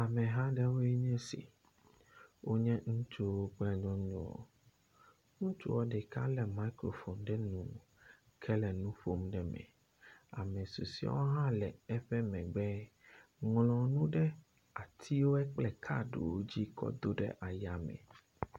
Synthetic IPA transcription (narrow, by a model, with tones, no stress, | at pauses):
a˨mɛ̃˨ɦã˦ɖɛ˦wo˦e˦ɲɛ̃˦sḭ˨ | wʔo˦ɲɛ̃˦ŋũ˦t͡ʃo˦wo˦k͡pɛ˦ɲɔ̃˦ɲɔ̃˦ɔ̰˨ | ŋũ˦t͡ʃṵ˦wɔ˦ɖɛ˨ka̰˦lɛ˨ma˦i˦kɾo̰˨fɔ˨mɖɛ˦nũ˨˦ | kʰɛ˦lɛ˨nũ˦ɸo˦mɖɛ˨mɛ̰̃˨ | a̰˨mɛ̃˨su˨si˨˦ɔ̰˦wo˦ɦã˦lɛ˨ɛ˦ɸɛ˦mɛ̃˨ɡ͡bɛ˦ | ŋlɔ̃˨nũ˦ɖɛ˦ | a˨t̪ʰi˦wo˦ɛ˦k͡plɛ˨kʰa̰˦˨ɖo̰˨wo˦d͡ʑi˦kʰɔ̰˦d̪o˦ɖɛ̰˦ʔa˨ja˨mɛ̰̃˨